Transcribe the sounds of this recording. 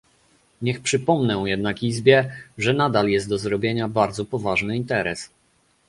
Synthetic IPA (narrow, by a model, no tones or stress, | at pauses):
ɲɛxpʂɘpɔmnɛ̃jɛd̪̚nakizbʲjɛʐɛnad̪aljɛst̪̚ɔzɾɔbʲjeɲabaɾd̪zɔpɔvaʐnɘint̪ɛɾɛs